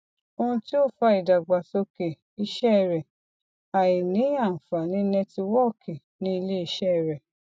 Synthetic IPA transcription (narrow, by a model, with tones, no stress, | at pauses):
o˧ũ˧ti˦o˦˨fa˧i˨da˨ɡ͡ba˨so˧ke˨ | i˧ʃɛ˦˧ɾɛ˨ | a˨jĩ˨nĩ˨˦ã˦˨fa˨nĩ˨˦nɛ̃˧ti˧wɔ˦˨kʰe˨ | nĩ˦i˧le˦i˧ʃɛ˦˧˨ɾɛ˨